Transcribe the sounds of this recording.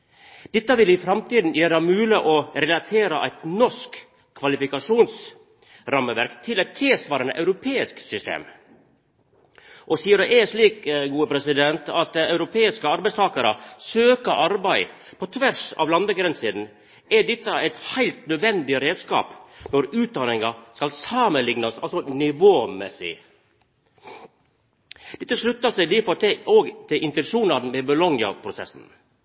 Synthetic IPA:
d̪̥ɛt̪ːəʋɪlɪfɾɑmt̪iːd̪n̩jæːɾəmʉːləʔɔɾɛlɑt̪ʰeːɾɑʔæɪt̪nɔʂk | kʰːʋɑlɪfɪkɑʂuːns | ɾɑməʋæɾkt̪ʰɪlæɪt̪ʰːɪlsʋɑːɾɑnə̰ʔɑʉɾʊpʰeːɪsksʏst̪ḛːm | ʔɔsiːəɖɛɛʂliːkɡuːəpʰɾɛsɪd̪ɛnt̪ʰɑt̪̚ɑʉɾʊpʰeːɪskəɑɾbæɪst̪ʰɑːkɑɾə̰søːkəʔɑɾbæɪpʰɔt̪ʰʋæɾʂɑ̰ʋlɑnd̪əɡɾɛnsɪd̪n̩ | ɛɖɛt̪ːəæɪt̪hæɪlt̪nœd̪ʋɛnd̪ɪəɾeːd̪skɑ̰ːpnɔɾʉːt̪̚d̪ɑnɪŋɑskɑlsɑːməlɪŋnɑsɑ̰lsɔnɪʋoːmɛsɪ̰ | d̪̥ɛt̪ːəʂɭʉt̪ːɑsæɪd̪ifɔt̪ʔoːɡt̪ʰɪʔɪnt̪ənʂuːnɑd̪n̩mɛbʊlɔŋjɑ̰pʰɾʊsɛ̰sn̩

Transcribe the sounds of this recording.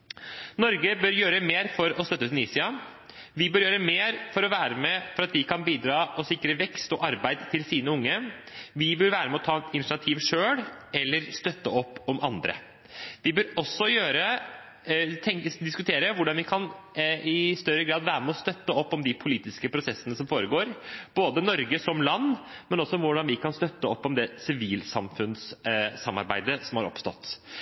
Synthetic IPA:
nɔɾɡəbœɾjøːɾəmeːɾfɔɾɔst̪œt̪ːəsɪniːsɪɑ | ʋɪbœːɾjøːɾəmeːɾfɔɾɔʋæːɾəmɛfɔɾɑt̪̚d̪ɪkʰɑnbiːd̪ɾɑːɔsɪkːɾəʋɛkst̪ɔʔɑɾbæɪd̪t̪ʰɪlsiːnəʊŋːəʋɪbœɾʋæːɾəmɛɔt̪ʰɑːɪnɪɑt̪ʰiːʋʂøːɽɛlːəɾst̪œt̪ːəɔpːɔmʔɑ̰nd̪ɾə̰ | d̪̥ɪbøːɾɔsːɔjøːɾə | t̪ʰɛŋd̪ɪskʉt̪ʰeːɾəʋʊɖɑnʋɪkʰɑn | ɪst̪œɾːəɡɾɑːd̪ʋæːɾəmɛɔst̪œt̪ːəɔpːɔmd̪ɪpʰʊliːt̪ɪskəpʰɾʊsɛsːənəsɔmfoːɾəɡoːɾb̥oːd̪ənɔɾɡəsɔmlɑnːmɛnɔsːɔʋʊɖɑnʋɪkɑnst̪œt̪ːəɔpːɔmd̪ɛsɪʋiːlsɑmfʉnssɑmːɑ̰ɾbæɪd̪əsɔmhɑɾɔ̰pst̪ɔ̰t̪ː

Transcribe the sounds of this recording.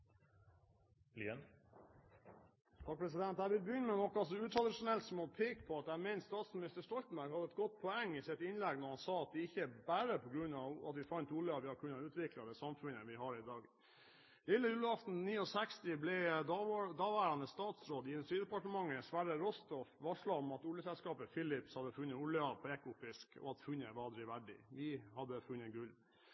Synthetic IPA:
lḭən | t̪ʰɑːk̚pʰɾɛs̬ɪd̪ɛnt̪æɪʋɪlbəjʏnːəmɛnɔkːɑsɔʉːt̪ʰɾɑd̪ɪʂʊnɛlt̪sɔmɔpʰeːkpʰɔɑt̪æmɛɪnst̪ɑːt̪smɪnɪst̪əʂtɔlt̪n̩bæɾɡhɑd̪əɛt̪̚ɡɔt̪̚ːpʰɔɛŋːɪsɪt̪ɪnlɛɡnɔɾhɑnsɑːɑt̪̚d̪ɛɪçːəbæːɾəpʰɔɡɾʉnːɑʋɑ̰t̪ʋɪfɑnt̪uːɭɪɑt̪ʋɪhɑkʰʉnːɑʉːt̪ʋɪklɑd̪ɛsɑmfʉnəʋɪɦɑɾɪd̪ɑːɡ̪ | ɪlːəjʉːləɑft̪n̩niːɔsɛkst̪ɪblɛ | d̪ɑːʋæːɾɑnəst̪ɑːt̪sɾoːd̪ɪɪnʉst̪ɾiːd̪əɛpɑʈəmɑŋːəsʋæɾəɾɔst̪ɔfʋɑʂɭɑɔmɑt̪ʊljəsɛlskɑːpəfɪlɪpshɑd̪ːəfʉnːəʊləɑpʰɔɛkʊfɪskɔ̰ɑt̪fʉnːəʋɑd̪ɾɪʋæɖɪ̰ʋɪhɑd̪ːəfʉnːəɡʉl

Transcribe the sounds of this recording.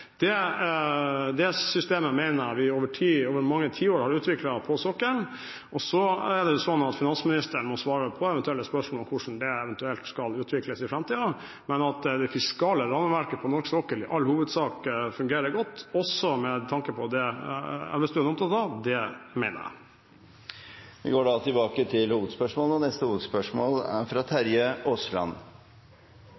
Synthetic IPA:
d̪̥ɛ | d̪ɛsʏst̪eːməmæɪnəɾʋɪoːʋəʈʰiːoːʋəɾmɑŋːət̪ʰiːoːɾhɑɾʉːt̪ʋɪklɑpʰɔsɔkːəɳ | ɔsɔɛd̪ɛjʊsɔnɑt̪fɪnɑnsmɪnɪst̪əɳmɔsʋɑːɾəpʰɔɛʋɛnt̪ʉɛlːəspœʂmɔlɔmkʰʊʂn̩d̪ɛɛʋɛnt̪ʉɛlt̪skɑlʉːt̪ʋɪkləsɪfɾɛmt̪ʰiːd̪ɑ | mɛnɑt̪d̪ɛfɪskɑːləɾɑnəʋæɾkəpʰɔnɔɾksɔːkəlɪʔɑlːhuːʋəd̪sɑːkfʉŋɡeːɾəɾɡɔt̪ːɔsɔmɛt̪ʰɑŋkəpʰɔd̪ɛɛ̰ʋɪsd̪ʉɛnɔmt̪ʰɑt̪ɑd̪ɛmæɪnə̰jæ̰ | ʋɪ̰ɡoːɖɑt̪ʰɪlbɑːkət̪ʰɪlhuːʋəd̪spœʂmoːləɔnɛst̪əhuːʋəd̪spœʂmoːlæ̰ɾfɾɑt̪ʰæɾjəɔslɑ̰n

